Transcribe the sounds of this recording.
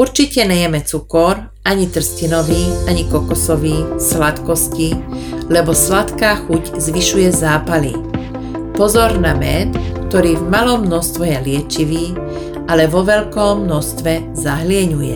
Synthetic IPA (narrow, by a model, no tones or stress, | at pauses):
uɾt͡ʃicɛɲɛjɛmɛt͡sukɔɾ | aɲit̪r̩scinɔʋiːaɲikɔkɔsɔʋiːslat̪kɔscilɛbɔslat̪kaːxuczʋiʃujɛzaːpalḭ | pɔzɔɾnamɛt̪kt̪ɔɾiːvmalɔmnɔst̪ʋɛjɛlɪɛt͡ʃiʋiː | alɛʋɔʋɛʎkɔmːnɔst̪ʋɛ | zaɦlɪɛɲujɛ̰